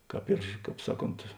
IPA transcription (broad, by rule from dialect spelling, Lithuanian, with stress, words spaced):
ˈkɑːp ɪr ˈkɑːp ˈsɑːˌkoːnt